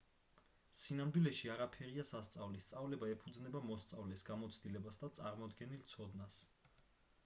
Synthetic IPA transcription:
sinamd̪wilɛʃiaɾapʰɛɾiasast̪sʼavlist̪sʼavlɛbaɛpʰud̪znɛbamɔst̪sʼavlɛsɡamɔt̪sʰd̪ilɛbasd̪at̪sʼaɾmɔd̪ɡɛnilt̪sʰɔd̪nas

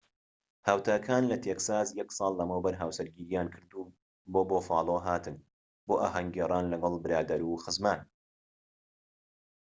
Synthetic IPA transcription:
haːwt̪ʰaːkʰaːnlɐt̪ʰeːksaːzjɛksˤɑːlˠːɐmɐwbɐɾɦaːwsɐɾɡiːɾijaːnkʰɨɾd̪uː | boːboːfɑːlˠoːɦaːt̪ʰɨn | boːʔa̰ːɦɐŋɡeːrˤaːnlɐɡɐlˠbɨɾaːd̪ɐɾuxɨzman

